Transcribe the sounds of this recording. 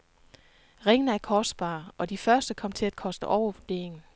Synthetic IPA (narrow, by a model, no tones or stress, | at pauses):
ʁeŋn̩əæɐkʰɒsd̥̚b̥ɑ̰̈ːʔɒ̽d̥ifɶɐsd̥əkʰɒ̽m̰t͡sʰe̝læd̥kʰɒ̽sd̥əʔɒʊɐʋod̥e̝̰ːe̝ŋn̩